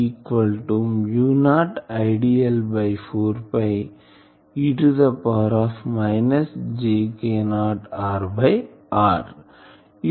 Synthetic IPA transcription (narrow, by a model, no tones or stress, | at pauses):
ikʋɐlʈumjuːnaːʈɐɪɖiɐlbɐɪfoːɾpɐɪ | iʈud̪ɐpaːɾɔːfmaɪnɐsd͡ʒeːkeːnaːʈaːɾbɐɪaːɾ